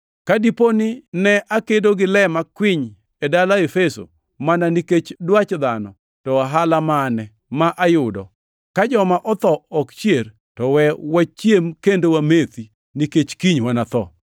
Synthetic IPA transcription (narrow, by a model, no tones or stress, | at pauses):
kadiponɪnɛʔakedoɡɪlɛmakwɪɲ | edalaefeso̰ | mananiket͡ʃdwat͡ʃd̪anɔ̰ | tɔwaɦalamanɛ | maʔajʊdɔ̰ | kad͡ʒɔmaʔɔt̪ɔɔkt͡ʃjer | tɔwɛwat͡ʃjemkendowamet̪i | niket͡ʃkiɲwanat̪ɔ